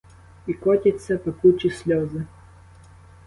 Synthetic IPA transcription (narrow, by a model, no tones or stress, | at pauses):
ikɔt̪ʲit̪sʲɐpɐkut͡ʃisʲlʲɔzɪ